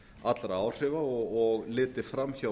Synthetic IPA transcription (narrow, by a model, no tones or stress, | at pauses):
at̪lɾaaːwr̥ɪvaɔɣɔɣlɪːt̪ɪ̥fɾamːça